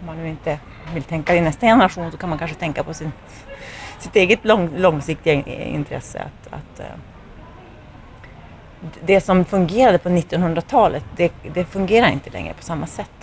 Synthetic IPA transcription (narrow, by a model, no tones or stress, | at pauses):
ɔmːanːʉ̟ːɪnt̪ə | vɪlt̪ʰɛŋkaɪnɛst̪ajɛnəɾaʂuːnsɔkʰanmankanʂət̪ʰɛŋkapʰɔsɪn | sɪt̪eːɡət̪lɔŋlɔŋsɪk̚t̪ɪɡaɪ̰nt̪ʰɾɛ̰sːə̰a̰t̪a̰t̪ | d̪ɛsɔmfɵŋɡeːɾad̪əpʰɔnɪt̪ːɔnhɵnd̪ɾat̪ʰɑːlət̪d̪ɛd̪ɛfɵŋɡeːɾaɾɪ̰nt̪əlɛ̰ŋɾə̰pʰɔ̥samːasɛt̪ː